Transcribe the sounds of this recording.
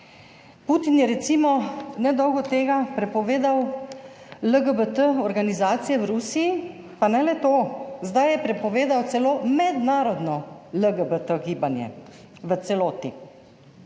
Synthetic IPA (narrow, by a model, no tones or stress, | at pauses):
put̪injɛɾɛt̪simɔnɛd̪ɔwɡɔt̪eːɡapɾɛpɔʋeːd̪aw | ləɡəbət̪əɔɾɡanizaːt̪sijɛwɾusiji | panɛlɛt̪oːzd̪ajjɛpɾɛpɔʋeːd̪awt̪sɛloːmɛd̪naːɾɔd̪nɔləɡəbət̪əɡiːbanjɛ̰ | ʋət̪sɛloːt̪ḭ